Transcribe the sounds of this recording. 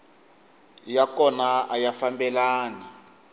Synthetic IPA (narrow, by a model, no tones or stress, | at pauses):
jakɔnaajafambɛlaːni